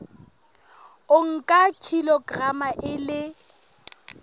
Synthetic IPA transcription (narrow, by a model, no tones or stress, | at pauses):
ʊŋ̩kʼakʰilɔɡramaʔɪlɪ